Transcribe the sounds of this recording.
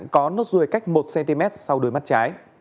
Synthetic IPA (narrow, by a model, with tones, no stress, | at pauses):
ŋkɔ˨˦no˦˥t̚zu˨˩əjka˦˥jk̟̚mo˨˩t̚sɛ˧nt̪i˧mɛ˦˥t̚sa˧wɗu˨˩əjma˦˥t̚t͡ɕaː˨˦j